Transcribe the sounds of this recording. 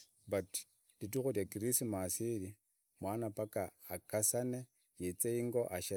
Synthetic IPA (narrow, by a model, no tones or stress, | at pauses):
bat | d̥itukudakiɾisimasidi | mwanapakaakasane | jet͡seiŋɡoʔaʃe